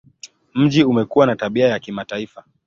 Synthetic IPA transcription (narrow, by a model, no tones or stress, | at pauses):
m̩ʄiumɛkuwanataɓiajakimataifa